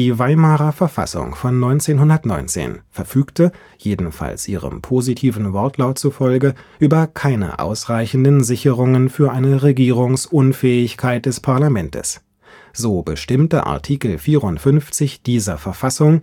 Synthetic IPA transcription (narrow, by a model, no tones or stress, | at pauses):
d̥iːvaɪmaːʁɐfɛɐfa̰sʊ̰ŋfɔnːɔʏnt͡seːnɦʊndɐtnɔ̰ʏnt͡sḛːnfɛɐfyːktə | jeːdn̩fa̰lsʔiːʁə̰mpʰozitʰiːvn̩vɔɐtʰlaʊtt͡sufɔlɡəʔyːbɐkʰaɪnə̰ʔa̰ʊsʁaɪçn̩dnzɪçəʁʊŋənfyːɐʔaɪnəʁeɡiːʁʊŋsʔʊnfɛːɪçkʰaɪt̚d̥ɛspʰaɐlamɛntʰə̰s | z̥oːbəʃtɪmtəʔa̰ɐtʰiːkl̩fiːʁʊntfʏnft͡sɪçd̥iːzɐfɛɐfasʊŋ